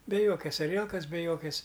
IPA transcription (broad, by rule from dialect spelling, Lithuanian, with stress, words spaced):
bʲɛ ˈjoːkʲɛs ɐˈrʲiɛlˠkɐs bʲɛ ˈjoːkʲɛs